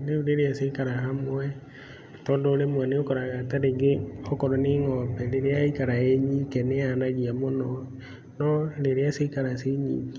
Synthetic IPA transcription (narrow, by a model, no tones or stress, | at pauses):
neuɾeɾeasekaɾahamwɛ | tɔːndɔoɾemwɛneokɔɾaɣataɾeŋɡeɔkɔɾaneŋɔpɛɾeɾeaikaɾaeɲikɛneanaɣiamonɔ | nɔleɾeaseikaɾaseɲḭki